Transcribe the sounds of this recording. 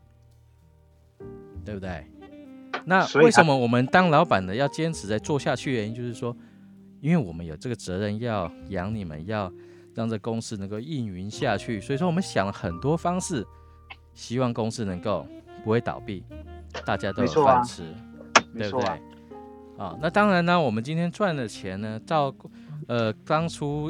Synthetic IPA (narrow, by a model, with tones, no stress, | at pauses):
t̪we˥˧ɪbu˧t̪we˥˩ɪ | na˥˨e˥˩ɪʂə˧˦nmə˧wɔ˨˩mə˦nt̪ɑ˥ŋlɑ˨˧˥ʊpa˨˩nd̪ə˦jɑ˥˩ʊt͡ɕjɛ˥nʈ͡ʂʰɻ̩˧˥t͡sa˥˧ɪt͡swɔ˥˧ɕja˥˧t͡ɕʰy˥˩ɻɛ˧˥jʊʂɻ̩˥˩ʂwɔ˦˥ | i˥nwe˥˩ɪwɔ˨˩mə˦njo˨˩ʊʈ͡ʂɤ˥˩ɡə˩t͡sɤ˧˥ɻə˥˧njɑ˥˩ʊjɑ˧˥ŋni˨˩mə̰˨˦njɑ˥˧ʊ | ɻɑ˥˩ŋt͡sə˥˩ɡə˨kʊ˥ŋʂɹ̩˥˧nə˧˥ŋko˥˧ʊi˥˩ny˧˥nɕja˥˧t͡ɕʰy˥˩swɔ˧˥i˨˩ʂwɔ˥wɔ˨˩mə˦nɕjɑ˨˩ŋlə˦xə˨˩nt̪wɔ˥fɑ˥ŋʂɻ̩˥˩ | ɕi˥wɑ˥˩ŋkʊ˥ŋʂɹ̩˥˩nɤ˧˥ŋko˥˩ʊpu˧˥xwe˥˩ɪt̪ɑ̰˨˩ʊpi˥˩t̪a˥˩t͡ɕja˥t̪o˥jo˨˥ɑ˥ʈ͡ʂʰɻ̩˧˥e˥˧˩bt̪ee˥˩ɪ | ɔ̰˨˩na˥˧t̪ɑ˥ŋɻa˧˦˥nnə˧wɔ˨˩mə˦nt͡ɕi˥nt̪ʰjɛ˥nt͡swa˥˩nlə˩t͡ɕʰjɛ˧˥nnə˧t̪ɑ˥˩ʊ | ə˩t̪ɑ˥ŋʈ͡ʂʰu˥